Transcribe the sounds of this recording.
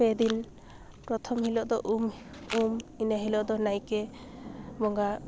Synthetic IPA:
pɛd̪in | pɾɔt̪ʰɔmɦilɔʔd̪ɔʔumuminaɦilɔʔd̪ɔnajkɛ | bɔŋɡa

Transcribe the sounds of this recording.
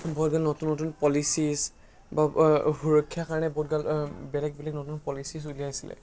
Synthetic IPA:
bɔdɡalnɔtunːɔtunpɔlisis | bahuɹɔkʰːjakaɹɔnɛbɔdɡalbɛlɛk̚bɛlɛknotunpɔlisisulijajsilɛ̰

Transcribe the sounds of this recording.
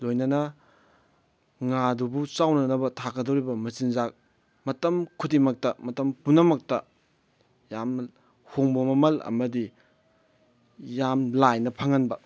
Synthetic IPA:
lojnɐnɐ | ŋadubut͡ʃawnɐnɐbɐtʰakɐdowɾibɐmɐsinzak̚ | mɐtɐmkʰutimɐk̚tɐmɐtɐmpunɐmɐk̚tɐ | jam | hoŋbɐmɐmɐlɐ̰mɐdi | jamlajnɐpʰɐŋɐnbɐ

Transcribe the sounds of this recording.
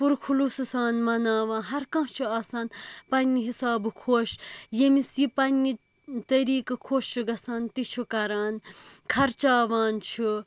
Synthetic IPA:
puɾkʰulusɨsaːnmɐnaːʋãːɦɐɾkɐ̃ːt͡ʃʰuaːsaːnpɐnːiɦisaːbɨkʰoːʃjemisjipɐnːi | t̪ɐɾiːkɐkʰoːʃt͡ʃʰuɡɐsaːnt̪it͡ʃʰukɐɾaːnkʰɐɾt͡ʃaːʋaːnt͡ʃʰu

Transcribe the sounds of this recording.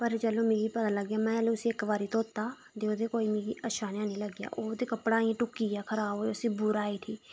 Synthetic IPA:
pəɾt͡ʃəloːmẽːɡiːpət̪ãːləɡːjaːmɛ̃ːlẽʊsĩːɪkʋaːɾiːt̪õːt̪ːaː | d̪eːoːd̪eːkoːiːmeːɡiːəʃaːnjãːnĩːləɡja̰ːʔoːt̪eːkəpɽaːĩʈʊkiːjaːkʰəɾaːboːʊsĩːbʊɾaːiːʈʰiː

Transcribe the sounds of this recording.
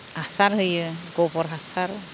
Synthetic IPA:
asaɾhɯjɯɡɔbɔɾɦasaɾ

